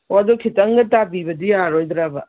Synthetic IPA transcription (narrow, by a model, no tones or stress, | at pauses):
oɐdɔkʰitɐŋɡɐtabibɐdijaɾojd̪ɾabɐ